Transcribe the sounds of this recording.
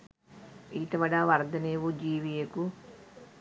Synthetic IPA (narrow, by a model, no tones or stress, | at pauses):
iːt̪ɐʋɐɽaːʋɐɾd̪ɐneʋud͡ʒiːʋijeku